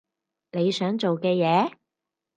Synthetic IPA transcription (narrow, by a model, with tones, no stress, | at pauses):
ne˨˧jsœː˨˥ŋt͡ʃo˨wkɛː˧jɛː˨˧